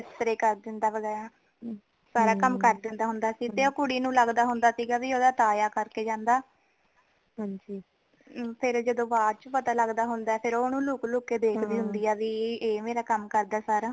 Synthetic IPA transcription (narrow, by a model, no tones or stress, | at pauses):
ɪst̪ɾeːkəɾd̪ɪnd̪aːʋəɡɛːɾaː | saːɾaːkəmkəɾd̪ɪnd̪aːɦʊnd̪aːsiːt̪eːoːkʊɽiːnũːləɡd̪aːɦʊnd̪aːsiːɡaːʋiːoːd̪aːt̪aːjaːkəɾkeːd͡ʒãːnd̪aː | ɦd͡ʒiː | pʰɪɾd͡ʒəd̪õːbaːɾt͡ʃpət̪aːləɡd̪aːɦʊnd̪aɛːpʰɪɾoːnũːlʊːkloːkeːd̪eːkʰd̪iːɦʊnd̪iːaːʋiːeːmeːɾaːkəmkəɾd̪aːsaːɾaː